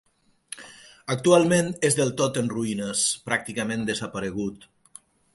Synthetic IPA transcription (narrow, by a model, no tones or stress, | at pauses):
ək̚t̪ualˠmenezðelˠt̪ot̪ənruinəspɾak̚t̪ikamẽnd̪əzapəɾeɣ̞ut̪